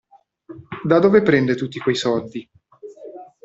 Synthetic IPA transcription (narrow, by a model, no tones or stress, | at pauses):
d̪ad̪oːvepɾɛnd̪et̪ut̪ːikwejsɔld̪i